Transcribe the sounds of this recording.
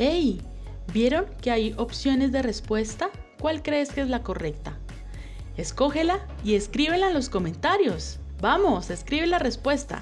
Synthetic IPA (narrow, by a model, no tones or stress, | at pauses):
ej | bje̞ɾo̞ŋke̞ajo̞psjo̞ne̞zd̪e̞re̞spwe̞st̪a | kwalkɾe̞ːskeezlako̞re̞k̚t̪a | e̞sko̞xe̞la | ie̞skɾiβe̞laenlo̞sko̞mẽ̞nt̪aɾjo̞s | bamo̞se̞skɾiβe̞lare̞spwe̞st̪a̰